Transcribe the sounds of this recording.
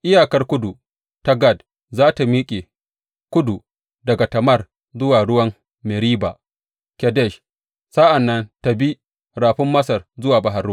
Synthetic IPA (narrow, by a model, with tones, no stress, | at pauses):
ʔɪ˦jaː˨kɐ˦rkʷʊ˦du˨ | ta˦ɡa˦˨d | zaː˦ta˨miː˦kʲʼe˨ | kʷʊ˦du˨ | dɐ˨ɡa˨tɐ˨mɐ˦˨r | zʊ˦waː˨ɽʊ˦wɐ˦m | mɛ˨ɾiː˦ba˨ | kʲɛ˨dɛ˦˨ʃ | sa˦ʔa˨nːɐ˦nta˨bi˦ | ɾaː˨ɸɪ˦mːɐ˦sɐ˨rzʊ˦waː˨ba˨ɦɐ˨rː